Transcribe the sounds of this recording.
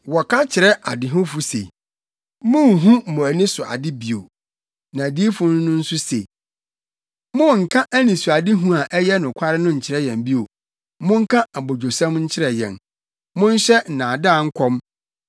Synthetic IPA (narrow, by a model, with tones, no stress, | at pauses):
wɔ˨kʰa˦t͡ɕʰɪ˨ɾɛ˦ʔa˨dɪ˨ɦʊ̃˦fʊ˨sḛ˨˦ | mʊ̃˦ŋ˨ɦũ˦m̩˨mʊ̃˨æ˨nɪ̃˦sʊ˨a̰˨dɪ˦bi˨o̰˨ | nã˨di˦fʊ̃˦nʊ̃˦nʊ̃˦n̩˦sʊ˦se˨ | mʊ̃˦˨ŋ̩˨kʰã˦ʔæ˦nĩ˨sʊ˨a˨dɪ˦ɦũ˦a˨ʔɛ˦jɛ˦nʊ̃˨kʷʰa˦ɾɪ˦nʊ̃˦ɲ̩˨t͡ɕʰɪ˨ɾɛ˦jɛ̃˨m˦bi˦o˨ | mʊ̃˦ŋ̩˦kʰã˦a˨bo˨d͡ʑo˨sã˦mɲ̩˦t͡ɕʰɪ˦ɾɛ˨jɛ̰̃˨n | mʊ̃˦n̩˦ɕɛ˦n̩˨nã˨daː˦˨ŋ̩˦kʰɔ̃˦m